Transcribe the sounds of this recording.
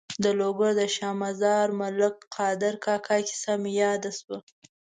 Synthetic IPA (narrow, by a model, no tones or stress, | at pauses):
d̪əloɡaɾd̪əʃɑmazɑɾmʊlɪkqʰɑd̪ɪɾkɑkʰɑki̥samjɑd̪aswa